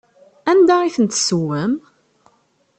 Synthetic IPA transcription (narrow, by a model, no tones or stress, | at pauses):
ænd̪æiθənt̪suwəm